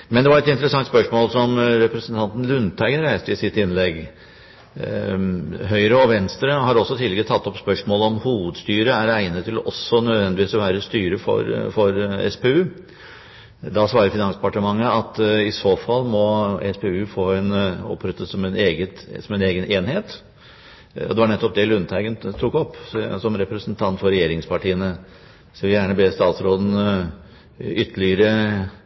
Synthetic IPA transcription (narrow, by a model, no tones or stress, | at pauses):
mɛnd̪ɛʋɑɾɛt̪ɪnt̪əɾəsɑŋt̪spœʂmoːlsɔmɾɛpɾəsənt̪ʰɑnt̪n̩lʉnt̪ʰæɪɡənɾæɪst̪əɪsɪt̪ːɪnlɛɡ | ɦœʏɾəɔʋɛnst̪ɾəɦɑɾɔsːɔt̪ʰɪlːɛɡət̪ʰɑt̪ːɔpspœʂmoːləɔmhuːʋəd̪st̪yːɾəæɾæɪnət̪ʰːɪlɔʔɔsɔnœd̪ʋɛnd̪ɪʋiːsɔʋæːɾəst̪yːɾəfɔ̰ɾfɔɾɛ̰speʉː | d̪ɑsʋɑːɾəɾfɪnɑnsd̪ɛpɑʈəmɑŋːəɑt̪ɪsoːfɑlːmɔɛ̰speʉːfoːɛnɔ̰pʰːɾœt̪ːəsɔmɛneːɡət̪sɔmɛneːɡənʔeːnheːt̪ | ɔ̰d̪ɛʋɑɳɛt̪ːɔp̚d̪ɛlʉnt̪ʰæɪɡənt̪ʰuːkɔpːsɔmɾɛpɾəsənt̪ʰɑnt̪fɔɾɛjeːɾɪŋspʰɑʈiːənə | skəlʋɪjæːɳəbeːst̪ɑːt̪sɾoːd̪ən̩ | ʏt̪ʰːəlɪəɾə